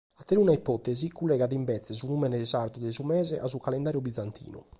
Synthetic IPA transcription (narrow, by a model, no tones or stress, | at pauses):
at̪ːɾeunaipɔt̪ɛzikulːɛɣaðimbɛt̪sːɛsunumɛnɛɛzaɾt̪ud̪ɛzumɛːzɛʔasukalɛnd̪aːɾjubid̪zːant̪ʰḭːnṵ